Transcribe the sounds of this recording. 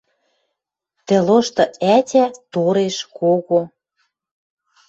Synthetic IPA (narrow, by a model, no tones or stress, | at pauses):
t̪ĕloʃt̪ɤ̆ætʲæt̪oɾeʃkoɣo